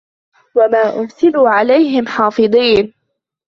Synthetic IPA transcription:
wamaːʔʊɾsɪluːʕalajɦɪmħɑːfɨd̪ˤiːn

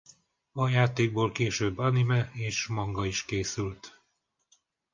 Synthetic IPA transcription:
ɒjaːt̪eːɡ̚boːlkeːʃøːbːɒnimɛeːʃmɒŋɡɒiʃkeːsylt̪

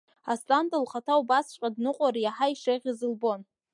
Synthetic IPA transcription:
astʼandʼɨlχatʰaubasʃʷqʼadnɨqʷʼaɾijaħaiʂeʁʲizɨlbo̞n

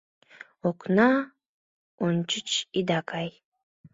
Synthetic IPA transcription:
ɔkʷʰʼna | ɔnt͡ʃʰɪt͡ʃʰʼid̪akʰʼaj

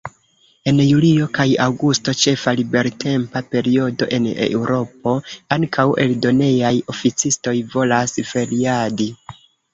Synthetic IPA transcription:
e̞njulio̞kajawɡusto̞t͡ʃe̞falibe̞ɾtʰe̞mpape̞ɾio̞do̞̰ʔe̞ne̞̰wɾo̞p̚o̞aŋkʰawʔe̞ldo̞ne̞jajo̞fit͡sisto̞jvo̞lasfe̞ɾiadi

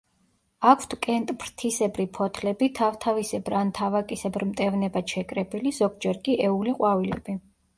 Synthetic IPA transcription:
akʰt̪ʰkʼɛnt̪ʼpʰɾt̪ʰisɛbɾipʰɔt̪ʰlɛbit̪ʰaft̪ʰavisɛbɾant̪ʰavakʼisɛbɾmt̪ʼɛvnɛbaʃɛkʼɾɛbilizɔɡ̚d͡ʒɛɾkʼiʔɛuliqʼwavilɛ̰b̥i

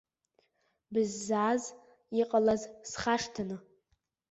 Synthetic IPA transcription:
bɨzːaːz | iqʼalazsχaʂtʰanɨ

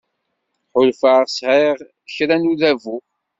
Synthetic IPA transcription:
ħʊlfəʁsʁiʁ | çɾænuðævu

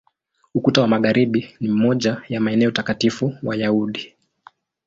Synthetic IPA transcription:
ukutawamaɠaɾiɓinim̩mɔʄajamaɛnɛɔutakatifuwajauɗi

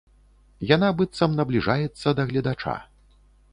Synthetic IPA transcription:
janabɨt̪sɐmnɐblʲiʐajɛt̪sːɐd̪ɐɣlʲɐd̪at͡ʂa̰

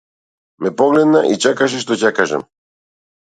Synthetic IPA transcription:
mɛpɔɡlɛd̪naʔit͡ʃɛkaʃ̬ɛʃt̪ɔcakaʒa̰m

